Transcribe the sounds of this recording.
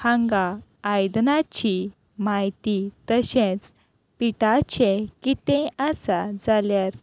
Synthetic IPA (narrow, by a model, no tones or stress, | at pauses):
hãŋɡaːjd̪nat͡ɕi | maɦjt̪it̪əɕẽt͡s | piʈat͡ɕekit̪ɛ̃əsad͡zaljaɾ